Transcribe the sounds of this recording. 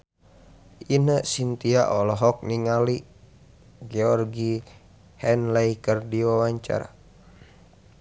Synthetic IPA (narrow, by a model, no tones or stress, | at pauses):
inəʔsint̪iaʔɔlɔɦɔk̚niŋali | ɡɛɔrɡi | hɛnlɛikərdiwawaɲt͡ʃa̰ɾa̰